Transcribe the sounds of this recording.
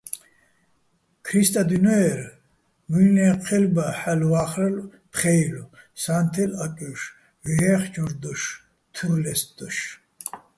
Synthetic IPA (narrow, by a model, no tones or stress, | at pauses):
kʰɾist̪ʼad̪ynɔɛɾ | mujnɛːpχʰɛlbaħalwaːχɾɛl | pχɛjlusant̪ʰɛlakʼuʃ | viɛχd͡ʒʰɔɾd̪ɔʃ | t̪ʰulɛsd̪̥ɔʃ